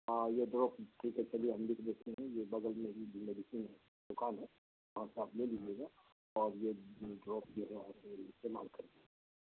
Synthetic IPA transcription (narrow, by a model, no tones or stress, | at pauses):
ajeɖɾɔːpʈʰiːkɦɛt͡ʃɐlieɐ̃nd̪ɪkd̪eːk̪ʰiɦɛ̃jebɐɡəlmeːɾidʱmeɖɪsinɦɛ | d̪ʊkaːnɦɛ | ʋɐɦãseablelid͡ʒeːɡa | ɔːɾjeɖɾɔːp̚d͡ʒiɦɛʋɐɦãseɪst̪eːma̰ːlkɐɾe